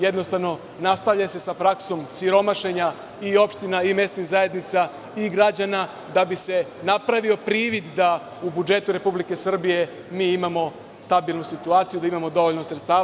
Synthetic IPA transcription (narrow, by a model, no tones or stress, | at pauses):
je̞d̪no̞st̪aʋno̞ | nast̪aʋʎase̞sapɾakso̞msiɾo̞maʃe̞ɲa | io̞pʃt̪inaime̞st̪niɣzae̞d̪nit̪sa | iɡɾad͡ʑana | d̪abise̞ | napɾaʋio̞pɾiːʋid̪d̪a | ubud͡ʒe̞t̪uɾe̞publike̞sr̩bije̞ | miːimamo̞ | st̪abilˠnusit̪uaːt̪sijud̪aimamo̞d̪o̞ʋo̞ʎnosɾet̪st̪aː